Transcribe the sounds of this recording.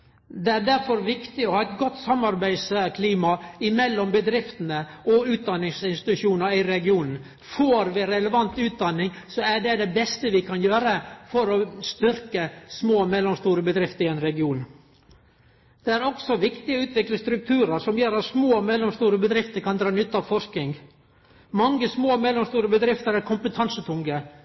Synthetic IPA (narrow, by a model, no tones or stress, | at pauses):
d̪ɛæɖæɾfɔɾʋɪkt̪ɪɔhɑːɛt̪ɡɔt̪ːsɑmːɑɾbæɪskʰliːmɑɪmɛlːɔmbəd̪ɾɪft̪ənə | ɔʉːt̪̚d̪ɑnːɪŋsɪnst̪ɪ̥t̪ʉʃuːnəɾɪɾɛɡɪuːnn̩ | foːɾʋɪɾɛləʋɑnt̪ʉːt̪̚d̪ɑnːɪŋsɔæɖɛd̪ɛbɛst̪əʋɪkʰɑnjøːɾəfɔɾɔst̪ʏɾkəsmoːmɛlːɔmst̪uːɾəbəd̪ɾɪft̪əɾɪɛnɾɛɡɪuːn | d̪̥ɛæɾɔksɔʋɪkt̪ɪəʉːt̪ʋɪkləst̪ɾʉk̚t̪ʰʉːɾəɾʂɔmjøːɾɑt̪smoːmɛlːɔmst̪uːɾəbəd̪ɾɪft̪əɾkʰɑnd̪ɾɑːnʏt̪ːɑʋfɔʂknɪŋ | mɑŋːəsmoːmɛlːɔmst̪uːɾəbəd̪ɾɪft̪əɾæɾkʰʊmpət̪ʰɑnsət̪ʰʊŋɡə